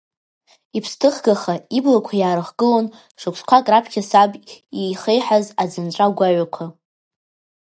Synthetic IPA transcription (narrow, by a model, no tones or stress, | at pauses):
ipʰstʰɨχɡaχaiblakʷʰajaːɾɨχɡɨlon | ʂɨkʷskʷʰakʼrapʰkʲʰasabejχejħazad͡zɨnʈ͡ʂʷʼaɡʷaɥʷakʷʰa